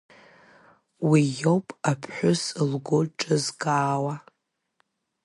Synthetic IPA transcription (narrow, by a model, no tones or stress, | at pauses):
wijowpʼapʰħʷᶣʊsɨlɡoʈ͡ʂʼɨzɡʼaːwa